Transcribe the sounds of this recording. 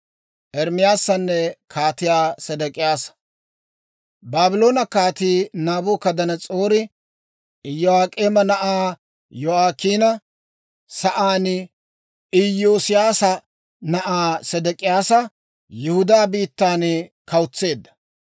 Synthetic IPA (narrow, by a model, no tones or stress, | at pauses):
ʔɛɾmɪjaːsːɐnːɛkʰaːt̪ɪjaːsɛd̪ɛkʼɪjaːsɐ̥ | baːbɪlo̞ːnɐkaːt̪iːnaːboːkɐd̪ɐnɐt͡sʼoːɾɪ | ɪjːɔaːkʼeːmɐnɐʔaː | jɔaːkiːnɐ | sɐʔaːn | ɪjoːsɪjaːsɐ | nɐʔaːsɛd̪ɛkʼɪjaːsɐ | jʊhʊd̪aːbiːt̪ːaːnkɐwt͡sːe̞ːd̪ːɐ̥